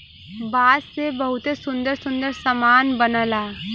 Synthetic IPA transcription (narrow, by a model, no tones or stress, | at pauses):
basebəɦut̪esund̪əɾsund̪əɾsəmanbənəla